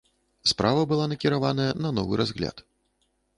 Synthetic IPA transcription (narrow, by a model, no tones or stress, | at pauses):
spɾavɐbɨlˠanɐkʲiɾavanɐjɐnɐnɔvɨ̰ɾazɣlʲa̰t̪